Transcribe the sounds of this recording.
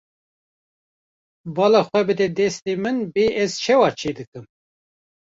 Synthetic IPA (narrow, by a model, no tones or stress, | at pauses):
bɑːlɑxʷɛbɨd̪ɛd̪ɛst̪eːmɨnbeːʔɛzt͡ʃʰɛwɑːt͡ʃʰeːd̪ɨkɨm